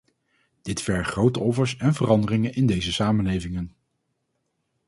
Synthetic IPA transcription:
d̥ɪtfɛɹχrowtəɔfəɹsɛnvərɑndərɪŋənɪndejzəsaːmənlejvɪŋən

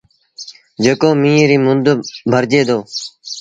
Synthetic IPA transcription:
d͡ʒəkoːmĩːɾiːmʊnd̪bʱəɾd͡ʒeːd̪oː

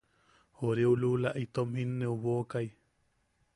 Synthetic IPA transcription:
hoɾeululaʔit̪omhinːeuβokaj

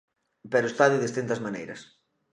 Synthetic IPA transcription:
pɛɾoest̪aðjʊðest̪int̪ɐzmanejɾɐ̰s

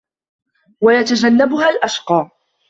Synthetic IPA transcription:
wajat̪ad͡ʒanːabʊhalʔaʃqɑː

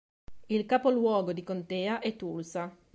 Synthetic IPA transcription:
ilkaːpolwɔːɡod̪ikont̪ɛːaʔɛt̪ːulsa

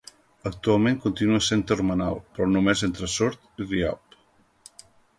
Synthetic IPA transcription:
ək̚t̪ualˠmẽŋkunt̪inuəsent̪əɾmənawpɾɔnumezent̪ɾəsoɾt̪iria̰p

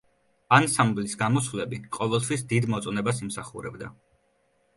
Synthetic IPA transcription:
ansamblisɡamɔswvlɛbiqʼɔvɛlˠt̪ʰwisd̪id̪mɔt̪sʼɔnɛbasimsaχṵɾɛ̰bd̪a

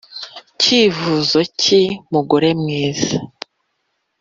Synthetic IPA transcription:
ciːvuzocimuɡoɾe̞mŋiːza

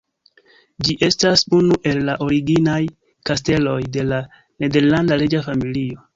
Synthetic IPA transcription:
d͡ʒiʔe̞stasunuʔe̞lːaʔo̞ɾiɡinaj | kaste̞lo̞jde̞la | ne̞de̞ɾlandaɾed͡ʒafamilio̞

